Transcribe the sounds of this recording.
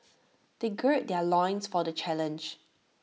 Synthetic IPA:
d̥eɡɹet̚dɛlɔ̃ɪ̃nsfɔdət͡ʃɛlə̃nd͡ʒ

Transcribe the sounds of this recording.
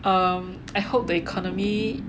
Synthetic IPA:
ʌm | aɪhop̚d̪əikʰɔnɔmi

